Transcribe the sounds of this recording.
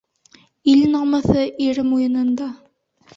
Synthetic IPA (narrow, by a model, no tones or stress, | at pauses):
ilnɑmɤ̆θɤʔiɾɘmujɤ̆nɤ̆nd̪ɑ